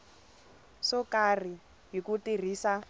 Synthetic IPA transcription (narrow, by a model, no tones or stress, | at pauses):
sɔkar̤i | ɦikutir̤iːsa